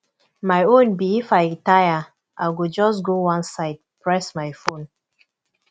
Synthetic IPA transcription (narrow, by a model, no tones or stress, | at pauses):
maɪõnbiifaɪɹitaja | ʔaɪɡud͡ʒɔsɡowãnsaɪd̚pɹɛsmaɪfõn